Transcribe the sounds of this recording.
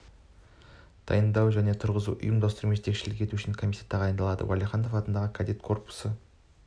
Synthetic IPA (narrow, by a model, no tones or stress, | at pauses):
d̪̥ɑ̰jənd̪ɑwʒæne̞t̪ʰʊɾʁəzṵʔʊ̰jəmd̪ost̪əɾumeʒe̞t̪ekʃɪlɪkʲʰe̞t̪uʏʃɪŋkʰomʲisʲjat̪d̪ɑʁɑjənd̪ɑlˠɑd̪ə̰walʲiχɑno̞fɑt̪ənd̪ɑʁəkʰad̪et̪kʰo̞rpʊ̥sə